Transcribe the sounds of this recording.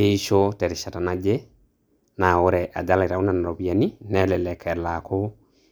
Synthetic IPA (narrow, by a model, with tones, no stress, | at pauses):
e˦i˦ʃo˦tɛ˨ɾɪ˨ʃa˨ta˨na˦d͡ʒɛ˦ | na˨o˦ɾɛ˨ʔa̰˨d͡ʒa˦la˨ɾa˨o˦na˨na˨ɾɔ˨bi˨a˨ni˦nɛ˦lɛ˨lɛ˨kʰɛ˨la˨ko˦